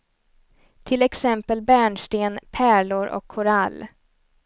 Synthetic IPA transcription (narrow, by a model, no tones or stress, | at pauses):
t̪ʰɪlɛksɛmpəlbæːɳʂʈeːnpʰæːɭʊɾʔɔ̰kʰːʊɾalː